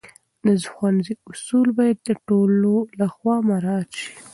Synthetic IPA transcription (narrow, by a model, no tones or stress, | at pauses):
nazxwanziʊsulbɑjad̪̚ːəʈololaxwɑmaɾɑt̪ʃi̥